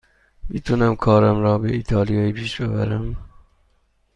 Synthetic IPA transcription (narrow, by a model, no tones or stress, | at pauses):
bit̪ʰunæmkʰɒːɾæmɾɒːbeiːt̪ʰɑːlijɑːipʰiːʃbebæ̰ɾæm